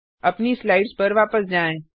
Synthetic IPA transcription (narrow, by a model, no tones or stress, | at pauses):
ɐpnislaːɪɖzpɐɾʋaːpəsd͡ʒaːẽː